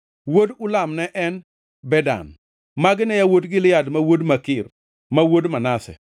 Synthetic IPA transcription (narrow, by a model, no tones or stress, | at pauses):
wodʊlamnɛʔɛn | bɛda̰n | maɡɪnɛjawodɡɪlɪjadmawodmakɪr | mawodmanasɛ̰